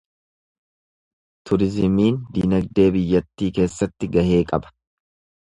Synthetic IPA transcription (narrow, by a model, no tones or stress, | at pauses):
t̪ʊɾɪzɪmiːnd̪iːnɐɡ̚d̪e̞ːbɪjːɐt̪ːiːke̞ːsːɐt̪ːɪɡɐhe̞ːkʼɐbɐ̥